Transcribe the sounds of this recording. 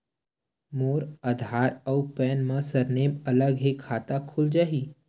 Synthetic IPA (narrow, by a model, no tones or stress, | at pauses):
moːɾəd̪ʱaːɾɔpɛːnmãsɐɾneːmɐləɡɦekʰaːt̪akʰʊld͡ʒaːɦiː